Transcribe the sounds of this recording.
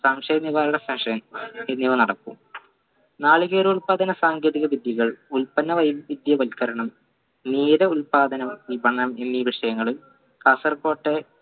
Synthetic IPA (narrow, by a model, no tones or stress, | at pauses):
saːmʂɐjɐnːiʋaːɾuɽefeʂɐnenːiʋɐnɐɽɐkːṵm | naːɭiɣeːɾɐuɭpaːd̪ɐnɐsaːŋɡʰʱeðiɣɐʋid̪jɐɣɐɭulpɐnːɐʋɐjʋid̪jɐʋɐlkɐɾɐɳɐm | niːɾɐulpaːd̪ʱɐnɐʋibʱɐɳːɐme̞nːiʋiʂɐjɐŋːɐɭil | kɐsɐrko̞ːʈːe